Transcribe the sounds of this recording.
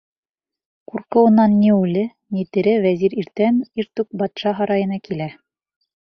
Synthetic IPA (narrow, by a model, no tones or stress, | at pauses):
kuɾqɤ̆wɤ̆nːɑnːiʉlɘ | nit̪ɘ̆ɾɘvæziɾiɾt̪æniɾt̪ʉk̚bɑt̪ʃɑɦɑɾɑjɤ̆nɑkilæ